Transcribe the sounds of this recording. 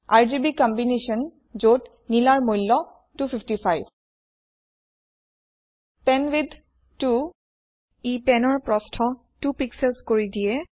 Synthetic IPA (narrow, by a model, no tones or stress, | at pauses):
aɹzibikɔmbineʃɔn | zot | nilaɹmojlːɔ | tufʰifʰtifʰajb | pɛnwid̪ʱ | tu | ipɛnɔɹpɹɔstʰɔ | tupiksɛlskoɹidijɛ